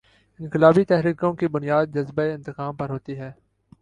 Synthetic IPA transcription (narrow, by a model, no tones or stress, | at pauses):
ɪ̃nqɪlaːbit̪ɛɦɾiːkõkibʊnijaːd̪̚d͡ʒɐzbaeɪ̃nt̪ɪqaːmpɐɾɦoːt̪iɦɛː